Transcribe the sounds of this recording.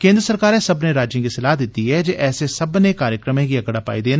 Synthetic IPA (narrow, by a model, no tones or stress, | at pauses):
kẽːnd̪ɾəsəɾkaːɾẽsəbneɾaːd͡ʒjẽkisɪlaːɦd̪ɪt̪iɦɛːd͡ʒeːʔɛːsesəbnekaːɾjəkɾəmẽkiɐɡəɽaːpa̰ːid̪eːn